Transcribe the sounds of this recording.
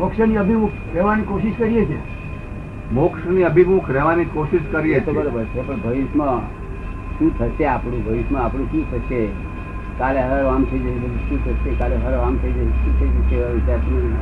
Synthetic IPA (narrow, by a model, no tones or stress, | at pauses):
mokʃəniəbʱimukʰɾɛʋanikoʃiʃkəɾijet͡ʃʰe | mokʃniəbʱibukʰɾɛʋanikoʃiʃkəɾijeet͡ʃt̪obəɾobəɾt͡ʃʰepəɳbʱəʋiʃmã | ʃũt̪ʰəʃeapɽ̃ũbʱəʋiʃmãapɽũʃũt̪ʰət͡ʃe | kaleɦəɾamt̪ʰəid͡ʒeʃũt̪ʰəʃekaleɦəɾʋamt̪ʰəid͡ʒeʃũt̪ʰəid͡ʒeteʋaʋit͡ʃaɾsi